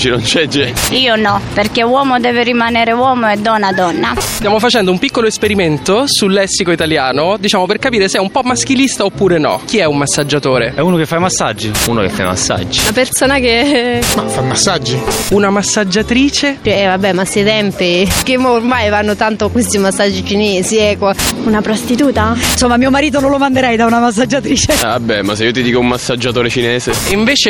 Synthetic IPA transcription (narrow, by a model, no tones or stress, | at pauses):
t͡ʃinont͡ʃɛd͡ʒeiːonɔperkewɔːmod̪ɛːveɾimaneːɾewɔːmoɛd̪ːɔnːad̪ɔnːast̪jaːmofat͡ʃɛnd̪oumpikːoloespeɾiment̪osulːɛsːikoit̪aljaːnod̪it͡ʃaːmoperkapiːɾeseɛumpɔmːask̟ilist̪aopːuːɾenɔ̰k̟iɛumːasːad͡ʒːat̪oːɾeɛuːnokefːajmasːa̰d͡ʒːiuːnokḛfːa̰jma̰sːa̰d͡ʒːiapersoːnakemafajmasːad͡ʒːiunamasːad͡ʒːat̪ɾiːt͡ʃeiɛvabːɛmaset̪ɛmpikemormajvanːot̪ant̪okwest̪imasːad͡ʒːit͡ʃineːziɛkːounapɾost̪it̪uːt̪ansomːamiːomaɾiːt̪̬onolomand̪eɾɛjd̪aunamas̬ːad͡ʒːat̪ɾiːt͡ʃeabːɛmaseiːot̪id̪iːkoumːasːad͡ʒːat̪oːɾet͡ʃineːzeiɱveːt͡ʃe